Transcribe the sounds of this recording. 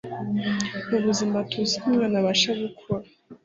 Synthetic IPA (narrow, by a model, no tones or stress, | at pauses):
naɾuzimbatʰuzimɡanaβaʃaβukʰua